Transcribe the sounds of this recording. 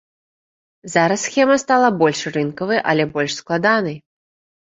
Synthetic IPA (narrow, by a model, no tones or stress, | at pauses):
zaɾɐsːxʲɛmɐst̪alˠɐbɔlʲʂrɨnkɐvɨjʔɐ̰lʲɛbɔlʲʂsklˠad̪anɐj